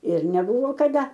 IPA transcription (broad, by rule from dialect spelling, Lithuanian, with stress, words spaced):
ɪr nʲɛˈbʊʋoː kɐˈdɐ